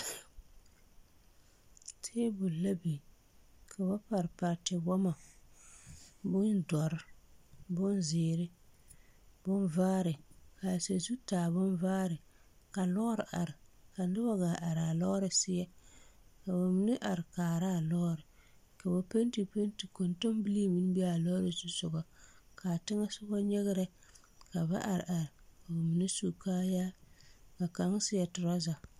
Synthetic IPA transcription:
tʰeː˦bʊ˨la˦bi˨ | kʰa˨ba˦pa˨ɾɪ˨pa˨ɾtɪ˨bɔ˦ma˨ | bʊ˦ndɔ˨ɾɪ˦bʊ˦nzɪː˨ɾɪ˦ | b̥ʊ˦nvaː˦ɾɪ˨ka˨sa˨zu˦taː˨bʊ˦nvaː˦ɾɪ˨ | ka˨lɔ˦ɾɪ˨ʔa˨ɾɪ˨ka˨nɪ˦ba˦ɡa˨ʔa˨ɾa˨lɔ˦ɾɪ˨sɪ˦jɛ˦ka˨ba˨mi˦nɪ˦ʔa˨ɾɪ˨kaː˨ɾa˦˨lɔ˦ɾɪ˨ | ka˨ba˨pe˦nti˨pe˦n˦ti˨ko˨nto˦mbi˦li˦mi˦n˦bi˦a˨lɔ˦ɾɪ˨zu˦sʊ˨ɡɔ˨ | kʰa˨tɪ˦ŋa˦sʊ˦bɔ˦ɲɛ˦ɣɪ˦ɾɛ˦ | ka˨ba̰˦ʔa˨ɾɪ̰˨ʔa˨ɾɪ˨ka˨ba˨mi˨nɪ˦su˨kaː˦jaː˦ka˨ka˨˦ŋ˦sɪ˦jɛ˨tʊ˨ɾɔ˦za˨

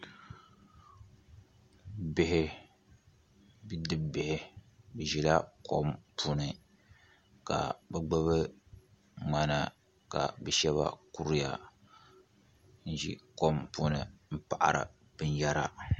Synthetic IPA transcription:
bɪ˦hɪ˦ | bi˦dɨ˦bbɪ˨hɪ˦bɨ˨ʒi˨la˦ko˦mpʰu˦nɨ˨ | ka̰˨bɨ˦ɡ͡bɨ˦βɨ˦ | ŋ͡ma˨na˨ | ka̰˨bɨ˨ʃɛ˦βa̰˦ku˦ɾi˦ja̰˨ | n̩˦ʒḭ˦ko˦mpu˦nɨ̰˨m̩˦pa˨ʔa̰˨ɾɨ̰˨ | b̥ɨ˦n˦ja˦ɾa̰˦

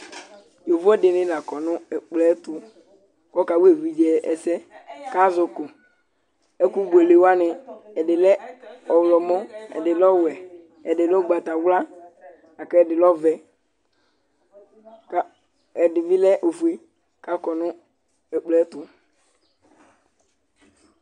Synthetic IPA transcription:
jo˨vɛ˦dɪ˨nɪ̃˦la˨kɔ˨nʊ̃˦ɛ˨k͡plɛ˦tʊ˨ | kɔ˦ka˨wu˦e˦˨vi˨d͡ʒɛ˨ɛ̰˨sɛ˦ka˦zʊ˨kʊ˨ | ɛ˦ku˦ɡ͡be˨le˨wa˦nɪ˨ɛ˨dɪ˨lɛ˦ɔ˨wlɔ˨mɔ̃˦ɛ̰˨dɪ˨lɔ˦wɛ˨ | ɛ˨dɪ˨lɔ˦ɡ͡ba˨t̪a˨wla˦ | a˨kɛ˦ɛ˨dɪ˨lɔ˦vɛ˨ | ka˨˦ | ɛ˨dɪ˨vi˦lɛ˦ʔo˨fu˨e˦ | ka˦kɔ˨nʊ̃˦ | ɛ˨k͡plɛ˦t̪ʊ˨

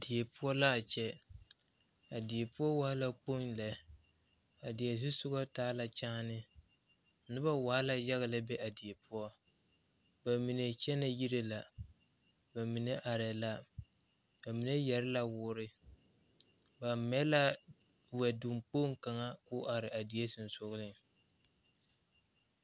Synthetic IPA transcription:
dɪ˨e˨pʊ˦ɔ˦la˦a˨t͡ʃɛ˦ | a˨dɪ˨e˨pʊ˦ɔ˦wa˦la˦k͡po˦nlɛ˨˦ | a˨dɪ˨e˨s̬u˦sʊ˦ɡɔ˦taː˦la˨t͡ʃaː˦nɪ˦˨˦ | nʊ˦ba˦waː˨˦la˨ja˦ɣɪ˨la˦bɛ˦ʔa˨dɪ˨e˨pʰʊ˦ɔ˦ | ba˨mi˨ne˨t͡ʃɛ˦na˨ji˦ɾe˦la˨ | ba˨mi˨ne˦ʔa˨ɾɛ˨la˦ | ba˨mi˨ne˦jɛ˨ɾɪ˦la˦wʊː˦ɾɪ˦ | ba˨mɛ˦la˦ | wɛ˨du˨mk͡poː˦ŋ˦ka˨ŋa˦kʊ˦ʔa˨ɾɪ˨ʔa˨dɪ˨e˦sʊ˨n˨sʊ˦ɣlɪ˦ŋ

